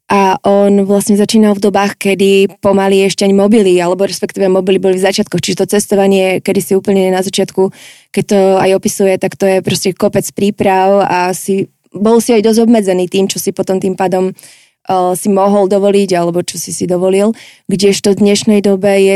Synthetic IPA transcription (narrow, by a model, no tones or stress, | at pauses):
ʔaʔɔnʋlasɲɛzat͡ʃiːnalvd̪ɔbaːxkɛd̪ipɔmaliɛʃcɛaɲmɔbilialɛbɔɾɛspɛkt̪iːʋɛjmɔbilibɔlivzat͡ʃɪat̪̚kɔxt͡ʃiʒɛt̪ɔt͡sɛst̪ɔʋaɲɪɛkɛd̪isiuːpl̩ɲɛɲɛnazat͡ʃɪat̪ku | kɛc̚t̪ɔajɔpisujɛt̪akt̪ɔjɛpɾɔscɛkɔpɛt͡spɾiːpɾawasi | bɔlsiajd̪ɔzɟɔbmɛd͡zɛniːt̪iːmt͡ʃɔsipɔt̪ɔmt̪iːmpaːd̪ɔmː | simɔɦɔld̪ɔʋɔliɟalɛbɔt͡ʃɔsisid̪ɔʋɔlil | ɡɟɛʃt̪ɔd̪ɲɛʃnɛjd̪ɔbɛjɛ